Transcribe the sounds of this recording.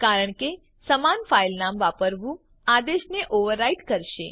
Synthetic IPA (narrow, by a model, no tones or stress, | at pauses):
kaɾəɳke | səmanfailnamʋapəɾʋũ | ad̪eʃneʔoʋəɾːaiʈkəɾʃe